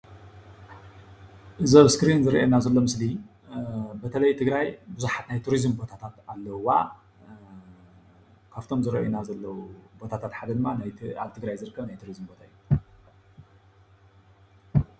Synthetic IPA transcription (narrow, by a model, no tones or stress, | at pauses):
ʔɨzɐβskɾinzɨɾʔḛnazɐlːo̞mɨsli | bɐt̪ʰɐlɐjt̪ʰɨɡɾajbɨzuħat̪najt̪ʰuɾizɨmbo̞t̪ʰat̪ʰat̪alːɐwa̰ | kʰaβt̪ʰo̞mzɨɾɐ̰ʔjenazɐlːɐwubo̞t̪ʰat̪ʰat̪ħad̪ɐd̪ɨmːanja̰βt̪ʰɨɡɾajzɨɾɨkʰːɐβnajt̪ʰuɾizmbo̞t̪ʰaɨjːu